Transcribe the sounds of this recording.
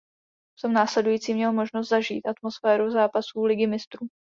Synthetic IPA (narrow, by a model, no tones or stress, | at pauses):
ft̪omnaːslɛdujiːt͡siːmɲɛlmo̞ʒnos̬t̪zaʒḭːt̪ʔat̪mo̞sfɛːɾuzaːpasuːlɪɡɪmɪst̪ɾuː